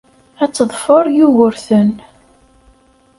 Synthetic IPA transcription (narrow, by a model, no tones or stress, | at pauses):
æt͡sːəðˤfoɾˤjuɣʊɾθən